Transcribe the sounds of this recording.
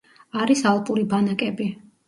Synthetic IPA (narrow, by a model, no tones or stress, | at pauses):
aɾisalˠpʼuɾibanakʼɛbi